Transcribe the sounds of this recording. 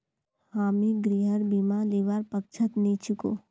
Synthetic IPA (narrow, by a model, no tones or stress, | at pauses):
haːmiɡɾiːɦəɾbiːmaːliːʋaːɾpək̚t͡ʃʰət̪niːt͡ʃʊko̰ː